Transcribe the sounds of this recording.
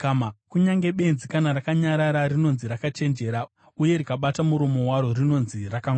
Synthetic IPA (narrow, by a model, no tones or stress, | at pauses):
kamakuɲaŋɡe̞ɓe̞nzikanarakaɲaɾaɾarino̞nziɾakat͡ʃe̞nd͡ʒe̞ːɾa | uje̞ɾikaɓatamuɾomo̞waɾo̞rino̞nzirakaŋ